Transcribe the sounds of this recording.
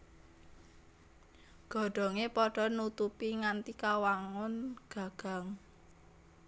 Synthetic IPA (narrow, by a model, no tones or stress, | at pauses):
ɡ̥ɔ̤ɖ̥ɔ̤ŋepɔɖ̥ɔ̤nut̪upiŋant̪ikawaŋʊnɡ̥a̤ɡ̥a̤ŋ